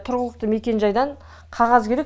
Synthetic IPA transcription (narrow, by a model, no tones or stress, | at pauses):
t̪ʰʊɾʁəlˠəq̚t̪əme̞kʲe̞nʒɑjd̪ɑɴ | qʰɑʁɑzkʲʰe̞ɾe̞k